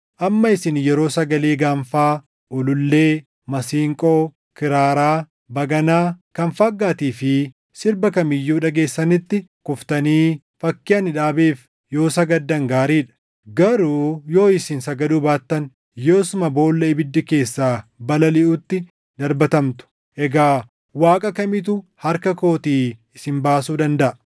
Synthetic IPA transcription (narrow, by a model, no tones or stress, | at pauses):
ʔɐmːɐɪsɪnjɛɾo̞ːsɐɡɐleːɡaːɱfaː | ʔʊlʊlːe̞ː | mɐsiːŋkʼoː | kɪɾaːɾaː | bɐɡɐnaːkɐnfɐɡːaːt̪iːfɪ | sɪɾbɐkɐmɪjːuːᶑɐɡe̞ːsːɐnɪt̪ːɪkʊft̪ɐniː | fɐkːɪɐnɪᶑaːbeːf | jo̞ːsɐɡɐd̪ːɐŋɡaːɾiːᶑɐ̥ | ɡɐɾuːjo̞ːɪsɪnsɐɡɐd̪uːbaːt̪ːɐn | jo̞ːsʊmɐbo̞ːlːɐɪbɪd̪ːɪke̞ːsːaːbɐlɐlɪʔut̪ːɪ | d̪ɐɾbɐt̪ɐmt̪ʊ̥ | ʔɛɡaː | waːkʼɐkɐmɪt̪̬ʊhɐɾkɐko̞ːt̪iːɪsɪmbaːsuːd̪ɐnd̪ɐʔɐ